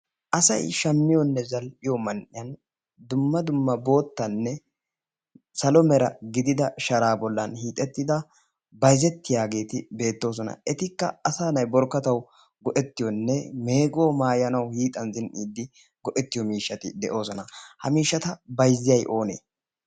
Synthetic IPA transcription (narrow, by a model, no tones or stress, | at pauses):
ʔɐsɐ̰jʃɐmːɪjɔnːɛzɐlpɪjɔmɐnʔɪjɐn | d̪ʊmːɐd̪ʊmːɐbo̞ːt̪ːɐnːɛ | sɐlɔmɛɾɐɡɪd̪ɪd̪ɐʃɐɾaːbɔlːɐnhiːt̪ʼːɛt̪ːɪd̪ɐ | bɐjzɛt̪ːɪjaːɡe̞ːt̪ɪbe̞ːt̪ːo̞ːs̬ɔnɐ̰ʔɛt̪ɪkːɐɐsaːnɐjbɔɾkːɐt̪ɐw | ɡɔʔɛt̪ːɪjɔnːɛme̞ːɡo̞ːmaːjɐnɐwhiːt̪ʼɐnzɪnʔiːd̪ːɪ | ɡɔʔɛt̪ːɪjɔmiːʃːɐt̪ɪ̰d̪ɛʔo̞ːsɔnɐhɐ̰miːʃːɐt̪ɐbɐjzːɪjɐjʔo̞ːnḛː